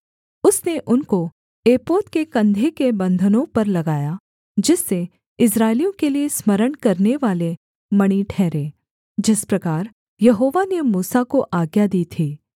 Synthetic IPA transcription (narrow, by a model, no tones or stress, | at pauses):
ʊsneʔʊnko | eːpoːt̪kekɐ̃nd̪ʱekebɐ̃nd̪ʱənõpɐɾlɐɡaːja | d͡ʒɪsːe | ɪs̬ɾaːɪlijõkeliesməɾəɽkɐɾneʋaːle | mɐɽ̃iʈʰɛːɾeː | d͡ʒɪspɾɐkaːɾ | jɐɦoːʋanemuːsakoʔaːɡjad̪iːt̪ʰiː